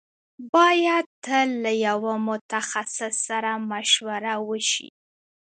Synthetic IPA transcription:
bɑjad̪̚t̪əlːajawamʊt̪axasɪsːaɾamaʃwaɾawəʃḭ

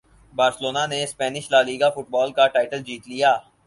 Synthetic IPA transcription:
baːɾsɪloːnanespɛːnɪʃlaːliːɡafʊʈbɔːlkaʈaːɪʈəld͡ʒiːt̪lijaː

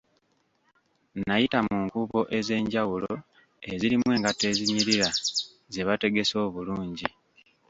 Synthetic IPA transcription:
najitamuːŋkuːβo̞ʔe̞ze̞ːɲɟawulo | e̞ziɾimwe̞ːŋɡate̞ːziɲiɾiɾa | ze̞βate̞ɡe̞so̞ːβuluːɲɟi

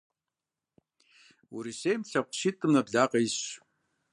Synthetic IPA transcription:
uɾisejmɬɐqʷʃitʼɨmnɐbɮaːqʼɐjɕ

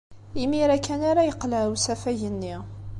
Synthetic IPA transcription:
imiɾækːænaɾajəqːlæɾwsæfæʝənːi

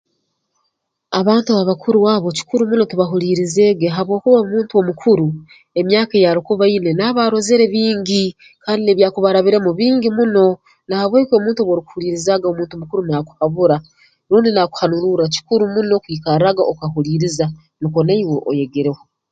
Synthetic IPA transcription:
aβaːntuβaβakʰuɾuwaβo̞ci̥kuɾumuno̞tiβaɦuɾiːɾize̞ːɡeɦaβwo̞ːkuβaomuːntuo̞mukʰuɾu | e̞mjaːkejaɾikuβaine̞naβaɾo̞zeɾe̞βiːɲɟi | kaːndineβjaːkuβaɾaβiɾe̞muβiːɲɟimuno̞ | nahaβweːko̞ːmuːntuoβwoɾiku̥huliːɾizaːɡaomuːntumukuɾunaku̥haβuɾa | ɾuːndinaku̥hanuɾuɾaci̥kuɾumuno̞kwiːkaɾaɡaokaɦuɾiːɾiza | niko̞naiweʔo̰je̞ɡeɾe̞wo

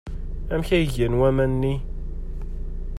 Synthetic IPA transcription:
æmçæjəʝænwæmænːi

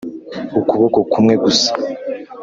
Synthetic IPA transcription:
ukuβokokumŋe̞ɡusḁ

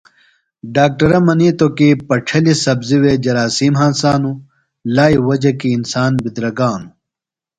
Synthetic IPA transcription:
ɖaːk̚ʈɐɾɐmɐniːt̪okipɐʈ͡ʂʰɐlisɐbziwed͡ʑɐɾaːsiːmɦãːnsaːnu | laːiwɐd͡ʑɐkiːnsaːnbid̪ɾɐɡaːnu

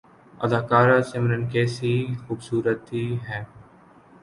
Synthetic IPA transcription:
ɐd̪aːkaːɾasemɾənkɛːsixuːbsuːɾət̪iɦɛː

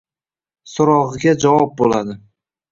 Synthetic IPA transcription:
sʊɾɒʁɨɡʲad͡ʒawɒp̚bolad̪ɪ

